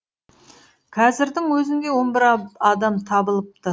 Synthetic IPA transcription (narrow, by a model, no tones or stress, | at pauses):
qʰɑzɪɾd̪ɪŋwɵzɪŋd̪ʲe̞wo̞nbɪɾɑd̪ɑmt̪ʰɑbəlˠəp̚t̪ə